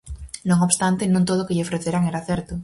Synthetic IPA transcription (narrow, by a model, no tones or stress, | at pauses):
noŋoβst̪ant̪enõnt̪oð̞okeʎeofɾeθeɾaŋeɾaθeɾt̪o